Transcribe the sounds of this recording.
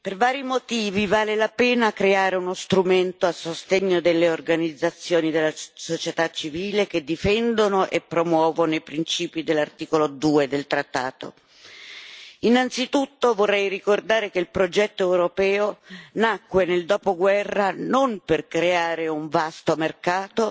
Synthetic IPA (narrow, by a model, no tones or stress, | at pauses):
pervaːɾimot̪iːvivaːlelapeːnakɾeaːɾeunost̪ɾument̪oasːost̪eɲːod̪elːeorɡanid̪zːat̪sːjoːnid̪elːasot͡ʃet̪at͡ʃːiviːlek̟ed̪ːifɛnd̪onoʔepːɾomwɔːvonooipɾint͡ʃiːpid̪elːart̪iːkolod̪uːed̪elt̪ɾat̪ːaːt̪o̰ | inant̪sit̪ut̪ːovorːɛjrikord̪aːɾekeilpɾod͡ʒɛt̪ːoɛwɾopɛːonakːweneld̪ɔːpoɡwɛrːanomperkɾeaːɾeuɱvast̪omerkaːt̪o